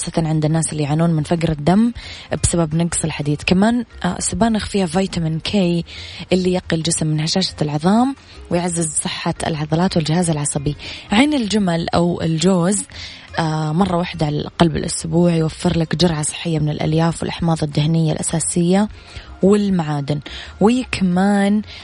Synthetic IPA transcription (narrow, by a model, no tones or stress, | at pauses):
xɑːsˤːɑt̪ɑnʕɪnd̪ɪnːaːsɪlːijʕanuːnmɪnfaɡɾɪd̪ːambɪsababnɑɡsˤɪlħad̪iːd̪kamaːn̰sʊbaːnɪxfiːhavajt̪amɪnkʰeːjʔɪlːijaqːild͡ʒɪsmːɪnhaʃaːʃḁlʕɨðˤɑːm | wɪjʕazːɪzsˤɨħːaɪ̰lʕɑðˤɑlɑːt̪wɪld͡ʒɪhaːzɪlʕɑsˤɑbiʕeːnɪld͡ʒamalʔa̰wɪ̰ld͡ʒoːz | ʔamɑrˤːɑwaħd̪aʕala̰ʔqɑlbɪ̰lʔʊsbuːʕjwafːɪɾlakd͡ʒʊɾʕasˤɨ̥ħːɪjːamɪnɪlʔa̰ljaːfwɪ̰lʔaħmɑːðˤɨd̪ːahnɪjːa̰lʔa̰saːsɪjːa | wɪlmaʕaːd̪ɪnwiːkʰamaːn